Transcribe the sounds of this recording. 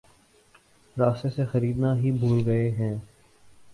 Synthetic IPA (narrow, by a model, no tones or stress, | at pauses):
ɾaːst̪esexɐɾiːd̪naɦibʱuːlɡɐeɦɛ̃ː